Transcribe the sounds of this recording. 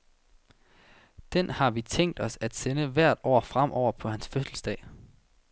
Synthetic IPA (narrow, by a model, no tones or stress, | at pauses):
d̥enhɑ̈ʋit͡sʰeŋ̰d̥ɒ̽sæd̥senəʋæɐ̰d̥ɒ̰ːfʁam̰ʔɒʊ̰ɐpʰɒ̽hænsføsl̩sd̥ɛ̰ː